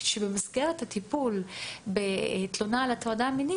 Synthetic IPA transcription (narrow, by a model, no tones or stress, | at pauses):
ʃebemazɡeʁet̪hat̪ipulbet̪lonalat̪oadamini